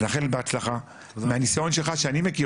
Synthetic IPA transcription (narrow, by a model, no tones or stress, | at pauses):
naχelet̪beat͡slaχa | mehanisao̞nʃelχaʃeanimeki